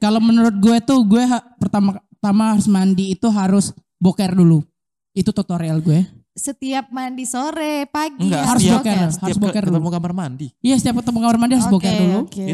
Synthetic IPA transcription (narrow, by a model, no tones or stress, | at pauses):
kalowmənuɾʊt̪̚ɡuɛt̪uɡuɛɦapərt̪ama | t̪amaɦaɾʊsmandiːt̪uɦaɾʊs | bokɛrdulu | it̪ut̪ot̪oɾialɡuɛ | sət̪iap̚mandisoɾɛpaɡiɡahaɾʊsbokɛrhaɾʊsbokɛrumoɡamarmandiijasət̪iap̚kət̪amɔŋɡamarmandihaɾʊsbokɛrduluk